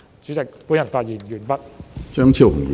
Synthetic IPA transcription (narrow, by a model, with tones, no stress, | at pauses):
t͡syː˨˥t͡sɪ˨k̚puː˥njɐ˨˩nfaː˧t̚jiː˨˩njyː˨˩npɐ˥t̚t͡ʃœː˥ŋt͡sʰiː˧˩whʊ˨˩ŋḭ˨